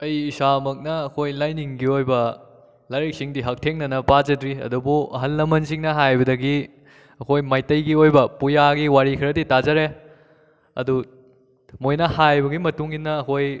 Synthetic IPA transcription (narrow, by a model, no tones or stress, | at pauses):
ɐjisamɐk̚nɐːkʰojlajniŋɡiojbɐ | laɾik̚siŋdiɦɐk̚tʰeŋnɐnɐpad͡ʒɐdɾiɐ̰dubuɐ̰ɦɐlːɐmɐnsiŋnɐɦajbɐdɐɡi | ɐkʰojmajtɐjɡiojbɐpujaɡiwaɾikʰɐɾɐditazɐɾe | ɐ̰du | mojnɐhajbɐɡimɐtuŋinːɐːkʰoj